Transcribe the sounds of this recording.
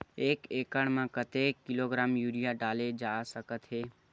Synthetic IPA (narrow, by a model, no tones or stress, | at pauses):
eːkeːkəɳmãkət̪ekːɪloɡɾaːmjuːɾijaɖaːled͡ʒaːsəkət̪ɦeː